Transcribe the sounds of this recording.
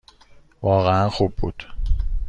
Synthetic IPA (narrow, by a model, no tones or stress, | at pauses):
vɒːɣeænxuːbːuːd̪̥